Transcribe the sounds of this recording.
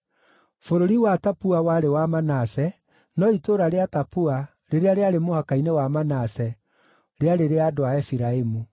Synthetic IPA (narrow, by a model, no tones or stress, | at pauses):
foɾoɾiwatapuawaɾewamanasɛ | nɔitoɾaɾeatapua | ɾeɾeaɾeaɾemohakainewamanasɛ | ɾeaɾeɾeadoaɛfiɾaemu